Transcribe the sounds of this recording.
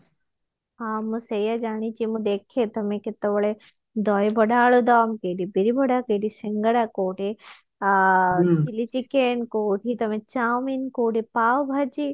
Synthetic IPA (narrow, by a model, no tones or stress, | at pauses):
ɦaːmũsejad͡ʒaːɽ̃it͡ʃimũd̪eːkʰet̪ɐmẽkɪt̪ɐʋɐɭe | d̪ɔːibʱɐɽaːɭod̪aːmkeːɖibiɾibʱɐɽakeɖisɪŋɡəɽakoːʈe | t͡ʃilit͡ʃikeːnkoːʈʰit̪ɐmẽt͡ʃaːminkoːʈipaːwbʱɐd͡ʒi